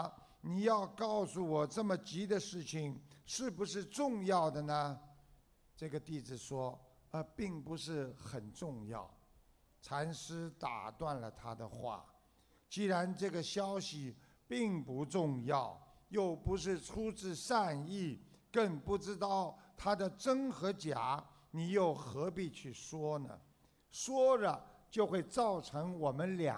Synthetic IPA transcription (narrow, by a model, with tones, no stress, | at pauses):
ni˨˩jɑ˥˧ʊkɑ˥˩ʊsu˥˩wɔ˨˩ʈ͡ʂɤ˥˩mə˩t͡ɕi˧˥d̪ə˧ʂɻ̩˥˩t͡ɕʰi˨˩ŋʂɻ̩˥˩bu˧ʂɻ̩˥˧ʈ͡ʂʊ˥˧ŋjɑ˥˩ʊd̪ə˩nə˩ | ʈ͡ʂɤ˥˩ɡə˩t̪i˥˩d͡zɹ̩˨˩ʂwɔ˥ | ə˧pi˥˩ŋpu˧˥ʂɻ̩˥˩xə˨˩nʈ͡ʂʊ˥˧ŋjɑ̰˥˩ʊ | ʈ͡ʂʰa˧˥nʂɻ̩˥t̪a̰˨˩t̪wa˥˩nlə˩t̪ʰa˥d̪ə̰˨xwa̰˥˩ | t͡ɕi˥˩ɻa˧˥nʈ͡ʂɤ˥˩ɡə˩ɕjɑ˥ʊɕi˨ | pi˥˩ŋpu˧˥ʈ͡ʂʊ˥˧ŋjɑ˥˩ʊjo˥˩ʊpu˧˥ʂ̬ɻ̩˥˩ʈ͡ʂʰu˥ʈ͡ʂɻ̩˥˧ʂa˥˧ni˥˩kə˥˧ŋpu˥˩ʈ͡ʂɻ̩˥t̪ɑ˥˩ʊt̪ʰa˥d̪ə˨ʈ͡ʂə˥ŋxɤ˧˥t͡ɕja̰˨˧˥ | ni˨˩jo˥˩ʊxɤ˧˥pi˨˩t͡ɕʰy˥˩ʂwɔ˥nə̰˩ | ʂwɔ˥lə˨t͡ɕjo˥˧ʊxwe˥˧ɪt͡sɑ˥˩ʊʈ͡ʂʰɤ˧˥ŋwɔ˨˩mə˦nlja̰˨˩˦